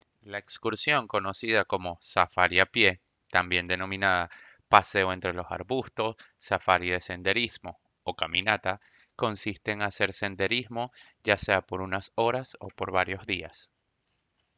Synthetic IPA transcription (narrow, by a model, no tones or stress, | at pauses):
laekskuɾsjo̞ŋko̞no̞siðako̞mo̞safaɾjapje̞ | t̪ambje̞nd̪e̞nõ̞mĩnaða | pase̞oe̞nt̪ɾe̞lo̞sa̰ɾβust̪o̞sː | afaɾiðese̞nd̪e̞ɾizmo̞ | okamĩnat̪a | ko̞nsist̪e̞ːŋase̞ɾse̞nd̪e̞ɾizmo̞ | ʝase̞apo̞ɾunaso̞ɾaso̞po̞ɾβaɾjo̞zðia̰s